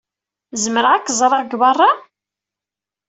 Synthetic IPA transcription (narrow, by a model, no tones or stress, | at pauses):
zəməɾʁækːzˤɾˤɑʁɡβɑrˤːɑ